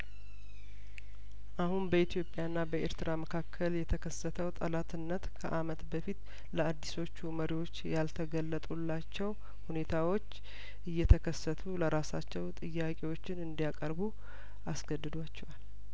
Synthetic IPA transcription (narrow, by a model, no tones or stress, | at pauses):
ʔahunbəit̪jo̞pʼːjaɨnːabəeɾt̪ʰɨɾaməkʰakʰːəljɛt̪ʰəkʰəsːət̪ʰəwt̪ʼəlat̪ʰɨnːət̪kʰə̰ʔamət̪bəfit̪ | ləad̪ːiso̞t͡ʃːuməɾiwo̞t͡ʃːjalt̪ʰəɡəlːət̪ʼulːat͡ʃːɛw | hune̞t̪ʰawo̞t͡ʃː | ʔɨjːɛt̪ʰəkʰəsːət̪ʰuləɾasat͡ʃːɛwt̪ʼɨjːakʼewo̞t͡ʃːɪnɨnd̪ijakʼəɾbu | asɡəd̪ːɨd̪wat͡ʃːɛwal